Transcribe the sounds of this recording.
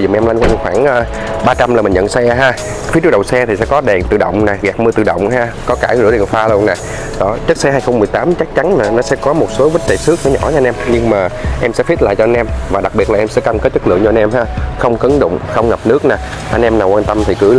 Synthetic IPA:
zʊ̰˨˩˨ʔɛ˧mla˧ŋkwaː˧˩˨xwaː˧˩nʔaː˧ | ɓaː˧t͡ɕa˧mlaː˨˩mï˨˩ŋ̟ɲə̰˧˨nsɛ˧ɦaː˧ | fi˦˥t̚ːɗə̰˨wsɛ˧t̪ʰi˨˩sɛ̰˧˥kɔ˨˦ɗɛ˨˩nt̪ɨ̰˧˩ɗə̰˧˨wŋ͡mna˨˩ɣɛ˨˩k̚mɨ˧t̪ɨ̰˧˩ɗə̰˧˨wŋ͡mɦaː˧kɔ˨˦kaː˧˩ɣɨ̰˧˥lḭ˨˩ənfaː˧lu˧əŋna˨˩ | ɗɔ˨˧˩t͡ɕə˦˥k̚sɛ˧ɦaː˧jxə˧wŋ͡mmɨ˨˩əjt̪aː˨˦mt͡ɕa˦˥k̚t͡ɕa˨˦nnaː˨˩nɔ˨˦sɛ̰˧˥kɔ˨˦mo˨˩t̚so˨˦və˦˥t̚t̪e˨˩sɨ˦˥ək̚ɲaː˨˦ɲɔ̰˧˩˧nʔɛ˧mɲɨ˧ŋmaː˨˩ʔɛ˧msɛ̰˧˥fi˦˥t̚la̰ː˧˨t͡ɕɔ˧a˧nʔɛ˧mvaː˨˩ɗa˨˩k̚ɓi˨˩ət̚la˨˩ʔɛ˧msɛ̰˧˥kaː˧mke˦˥t̚t͡ɕə˦˥lɨ̰˧˨əŋt͡ɕɔ˧a˧nʔɛ˧mhaː˧xə˧wŋ͡mkə˨˦nɗʊ̰˧˨ŋ͡mxə˧wŋ͡mŋə˨˩p̚nɨ˦˥ək̚naː˨˩ | ʔa˧jnʔɛ˧mnaː˨˩wkwaː˧nt̪ə˧mt̪ʰi˨˩kɨ˨˧˦

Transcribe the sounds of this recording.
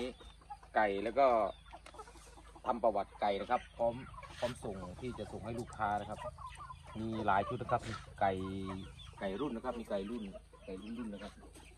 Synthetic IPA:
i˦˥ | ka˨˩jlɛː˦˥˩wkɔː˧˩ | t̪ʰa˧mpa˧wa˨˩t̪̚ka˨˩jna˧˥˩kʰa˧pːʰɔː˦˥˨mkʰɔː˧˥˨mso˨˩ŋt̪ʰiː˧˩t͡ɕa˨˩ʔso˨˩ŋha˥˩jluː˥˩kʰːaː˧˥˨na˧˥˩kʰa˧p̚miː˧laː˨˦jt͡ɕʰu˧˦t̪̚na˧kʰa˧˥p̚ni˧˩ka˨˩j | ka˨˩jɾu˥˩˨nːa˧kʰa˧p̚miː˧ka˨˩jlu˥˩n | ka˨˩jlu˥˩˨nlu˥˩nːa˧kʰa˧˥p̚

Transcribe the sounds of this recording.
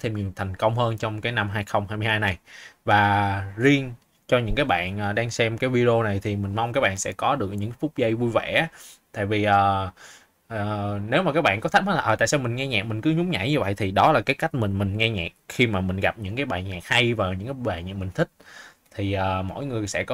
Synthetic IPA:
t̪ʰe˧mɲi˨˩əwt̪ʰa˨˩jŋ̟kə˧wŋ͡mhəː˧nt͡ɕɔ˧wŋ͡mkaː˨˦jna˧mɦaː˧jxə˧wŋ͡mhaː˧jmɨ˧haː˧jna˨˩jvaː˨˩zi˧əŋ | t͡ɕɔ˧ɲɨ̰˧˥ŋkaː˨˦jɓa̰ː˧˨nʔəː˨˩ɗaː˧ŋsɛ˧mkaː˨˦jvi˧ɗo˧na˨˩jt̪ʰi˨˩mï˨˩ŋ̟ma˧wŋ͡mkaː˦˥k̚ɓa̰ː˧˨nsɛ̰˧˥kɔ˨˦ɗɨ˨˩ək̚ɲɨ̰˧˥ŋ˦fʊ˦˥k͡p̚zə˧jvu˧jvɛ̰˧˩˨t̪a̰ː˧˨jvi˨˩ʔəː˨˩ | əː˨˩ne˨˦wmaː˨˩kaː˦˥k̚ɓaː˧˨kɔ˨˦t̪̚ʰhaː˨˦la˨ʔəː˨˩a̰ː˧˨saː˧wmï˨˩ŋ̟ŋɛ˧ɲa̰˨˩mï˨˩ŋ̟kɨ˨˦ɲʊ˨˦ŋ͡mɲa̰˧˩jɲɨ˧və̰˧˨jt̪ʰi˨˩ɗɔ˨˦laː˨˩kaː˨˦jka˦˥jk̟̚mï˨˩ŋ̟mï˨˩ŋ̟ŋɛ˧ɲɛː˨˩k̚xi˧maː˨˩mï̟˨˩ɣa˨˩p̚ɲɨ̰˧˥ŋkaː˨˦jɓa̰ː˧˨nɲaː˨˩k̚ha˧jvaː˨˩ɲɨ̰˧˥ŋkaː˨˦ɓa̰ː˧˨nɲa̰ː˨˧˨mï˨˩ŋ̟t̪ʰï˦˥k̟̚ | t̪ʰi˨˩ʔəː˨˩mo̰˧˥˨jŋɨ˨˩əjsɛ̰˧˥kɔ˨˦

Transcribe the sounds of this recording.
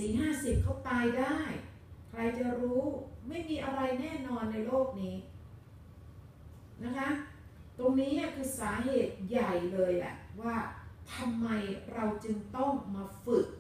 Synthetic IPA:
si˩˦ŋɦaː˥˩si˨˩p̚kʰa˦˥wt̪aː˧jdaː˥˩j | kʰɾa˧jt͡ɕa˨˩ɾuː˦˥ma˥˩jmiː˧ʔa˧ɾa˧jnɛː˥˩nɔː˧nːa˧jloː˥˩k̚niː˦˥ | na˦˥kʰa˦˥ | t̪o˧ŋniː˦˥ni˥˩kʰɯː˧saː˩˦ɦeː˨˩t̪̚ja˨˩jlɤː˧jla̰˨˩ʔwaː˥˩t̪ʰa˧mːa˧jɾa˧wt͡ɕɯ˧ŋt̪ɔ˥˩ŋmaː˧fɯ˨˩k̚

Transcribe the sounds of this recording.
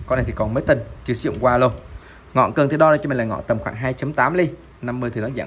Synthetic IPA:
kɔ˧nː˨˩jt̪ʰi˨˩kɔ˨˩nməː˨˦jt̪ə˨˩nt͡ɕɨ˧˩sḭ˧˨ə˨wŋ͡mkwaː˧lo˧w | ŋɔ̰˧˨nkɨ˨˩ŋt̪i˨˧˩ɗɔː˧˨˩t͡ɕɔ˧i˨˩ŋlaː˨˩ŋɔ̰˧˨t̪ə˨˩mxwaː˧˩ŋɦaː˧jt͡ɕə˨˦mt̪aː˨˦mli˧ | na˧mːɨ˧ət̪ʰi˨˩nɔ˨˦za̰ː˧˩˨

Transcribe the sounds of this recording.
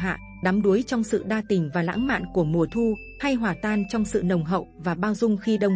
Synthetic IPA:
ɦa̰ː˧˨ | ɗa˨˦mɗu˨˦əjt͡ɕɔ˧wŋ͡msɨ̰˧˨ɗaː˧t̪ï˨˩ŋ̟vaː˨˩la̰ː˧˥ŋma̰ː˧˨nku˧˩əmu˨˩ət̪ʰu˧ | ha˧jɦwaː˨˩t̪aː˧nt͡ɕɔ˧wŋ͡msɨ̰˧˨nə˨˩wŋ͡mɦə̰˧˨wvaː˨˩ɓaː˧wzʊ˧ŋ͡mxi˧ɗə˧wŋ͡m

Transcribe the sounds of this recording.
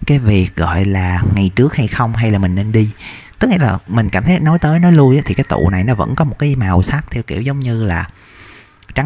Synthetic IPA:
kaː˨˦jvi˨˩ək̚ɣɔ̰˧˨jlaː˨˩ŋa˨˩jt͡ɕɨ˦˥ək̚ha˧jxə˧wŋ͡mɦa˧jlaː˨˩mï˨˩ŋ̟ne˧nɗi˧t̪ɨ˦˥k̚ŋḭ˧˥laː˨˩mï˨˩ŋ̟kaː˧˩mt̪ʰə˨˦jnɔ˨˦jt̪əː˨˦jnɔ˨˦lu˧jʔaː˨˦t̪ʰi˨˩kaː˨˦jt̪ṵ˧˨na˨˩jnɔ˨˦və̰˧˥nkɔ˨˦mo˨˩t̚kaː˨˦maː˨˩wsa˦˥k̚t̪ʰɛ˧wki˧˩əwzə˨˦wŋ͡mɲɨ˧laː˨˩ | t͡ɕa˨˦

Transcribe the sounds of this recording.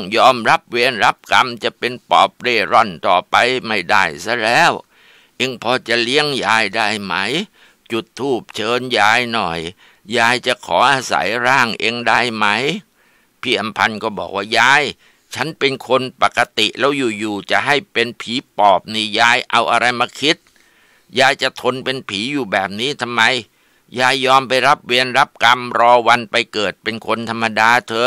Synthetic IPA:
ŋjɔː˧mɾa˦˥˩p̚weː˧nɾa˦˥p̚ka˧mt͡ɕa˨˩pe˧npɔ̰ː˨˩p̚ɾeː˧˩ɾɔ˧˥˩nt̪ɔː˨˩pa˧jma˥˩jda˥˩jsa˧˥˦lɛː˦˥˩w | ʔe˧ŋpʰɔː˧t͡ɕa˨˩li˦˥əŋjaː˧jdaː˥˩jma˦˥˩j | t͡ɕu˨˩t̪ʰːuː˥˩p̚t͡ɕʰɤː˧njaː˧jnɔ˨˩j | jaː˧jt͡ɕa˨˩kʰɔː˩˦ʔaː˧sa̰˩˦jɾaː˥˩ŋʔeː˧ŋdaː˥˩jma˦˥˩j | pʰiː˥˩ʔa˧mpʰa˧nkɔː˥˩bɔ̰ː˨˩k̚waː˥˩jaː˧j | t͡ɕʰa˦˥npe˧nkʰo˧npa˨˩ka˧t̪i˨˩ʔlɛː˦˥wjuː˨˩juː˨˩t͡ɕa̰˨˩ʔɦa˥˩jpe˧npʰiː˩˦pɔː˨˩p̚niː˧˩jaː˧jʔa˧wʔa˧ɾa˧jmaː˧kʰi˦˥t̪̚ | jaː˧jt͡ɕa˨˩t̪ʰo˧npe˧npʰiː˩˦juː˨˩bɛː˨˩p̚niː˦˥t̪ʰa˧mːa˧j | jaː˧˩jːɔː˧mpa˧jɾa˦˥p̚wi˧ənɾa˦˥p̚ka˧mɾɔː˧wa˧npa˧jkɤː˨˩t̪̚pe˧nkʰo˧nt̪ʰa˧mːa˧daː˧t̪ʰɤː˧

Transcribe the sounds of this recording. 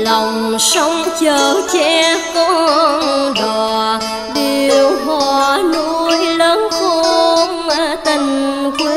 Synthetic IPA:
la˨˩wŋ͡msa˨˦wŋ͡mt͡ɕəː˨˩t͡ɕɛ˧˥kɔ˧˥nɗɔ˨˩ | ɗi˨˩wɦɔ˧˨no˧˦jləː˨˦nko˧ŋə˧˩t̪i˨˩ŋ̟kwe˦

